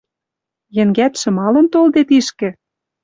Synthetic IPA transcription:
jɘ̆ŋɡæt̪ʃɤ̆mɑlɤ̆nt̪old̪et̪iʃkɘ̆

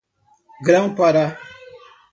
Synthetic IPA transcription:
ɡɾaŋpaɾa

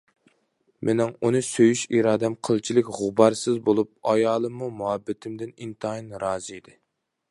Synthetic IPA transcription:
mʔenɪŋunɨsøjyʃiɾɑːd̪ɛmqʰəlˠt͡ʃʰilɪkʲʁʊbɑɾsɨzbolˠup̚ɑjɑːlˠɨmːumuɦɛbːɪt̪ʰɪmd̪ɪnint̪ʰɑinɾɑːzɨid̪ɪ

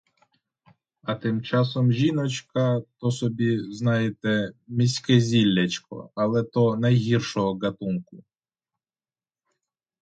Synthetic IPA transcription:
ɐt̪ɪmt͡ʃɑsɔmʒʲinɔt͡ʃkɐt̪ɔsɔbʲiznɑjet̪ɛmʲisʲkezʲilʲːɐt͡ʃkɔ̰ɐlˠɛt̪ɔnɐjɦʲirʃɔɦɔɡɐt̪unkʊ

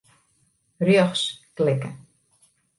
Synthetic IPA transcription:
rjɔxsklɪkə

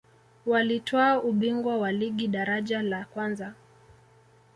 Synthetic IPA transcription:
walitʰɔauɓiŋɡwawaliɠiɗaɾaʄalakwanza

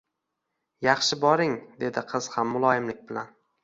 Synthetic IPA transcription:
jɑχʃɪbɒɾɪŋd̪e̞d̪ɪqʰɨz̥hamːʊlˠɒjɪmlɪk̚ʲbɪlan

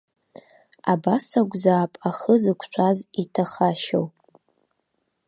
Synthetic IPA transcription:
abasaɡʷzaːpʼaχəzɨkʷʰʃʷʰazitʰaχaʃowpʼ

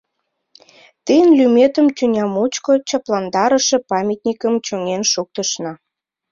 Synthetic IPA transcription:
t̪ijənlymet̪əmt̪ynʲɑmut͡ɕkot͡ɕɑplɑnd̪ɑɾəʃĕpɑmʲit̪nʲikəmt͡ɕoŋenʃuk̚t̪əʃnɑ

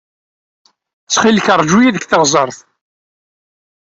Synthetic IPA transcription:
t͡sːχilçəɾˤd͡ʒujiðəkθəʁzˤɑɾˤθ

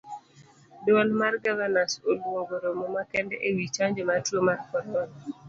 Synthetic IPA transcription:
dɔlmarɡavanasolwoɡoɾomɔmakɛndɛʔewit͡ʃaɲd͡ʒematwomarkɔɾɔn

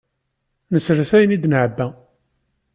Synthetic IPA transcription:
nəsɾəθæjnid̪nʕəbːæ

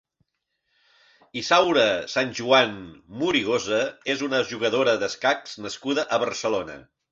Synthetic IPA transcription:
isawɾəsanʲʒuanmuɾiɣ̞ozəezunəʒuɣəð̞oɾəðəskakz̥nəskuðəʔəβərsəlonə̰

